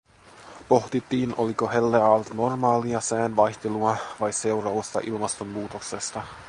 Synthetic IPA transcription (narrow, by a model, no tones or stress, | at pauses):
po̞ht̪it̪ːiːnʔo̞liko̞ɦe̞lːeɑːlt̪no̞rmɑːliɑsæːnʋɑjçt̪eluɑʋɑjse̞wɾɑɑst̪ɑ̰ʔilmɑst̪o̞mːuːt̪o̞kse̞st̪ɑ